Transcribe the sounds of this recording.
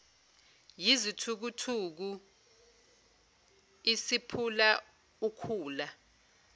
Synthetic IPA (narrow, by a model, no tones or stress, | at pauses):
jizitʰuk̬utʰuk̬u | isipʰula | ukʰuːla